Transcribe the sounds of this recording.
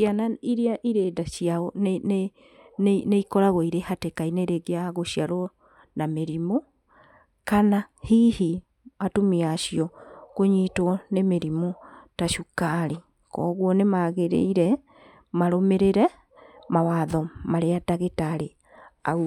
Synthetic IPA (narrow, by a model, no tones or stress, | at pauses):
ianaiɾeaʔiɾedaʃiaɔnene | nneikɔɾaɣɔiɾehatekaineɾeɡeaɣoɕiaɾɔ | nameɾimo | kanahihi | atomiaːʃiɔkoɲitwɔnemeɾimotaʃukaɾi | kɔːɣwɔnemaɣeɾḛiɾɛ | maɾomeɾeɾɛ | mawaðɔmaɾeadaɣetaɾe | a